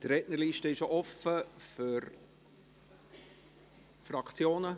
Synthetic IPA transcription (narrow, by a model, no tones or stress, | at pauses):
tɾɛtnəɾliːʃtəɪʃoʔɔfəfʏɾ | fɾɑkt͡sjoːnə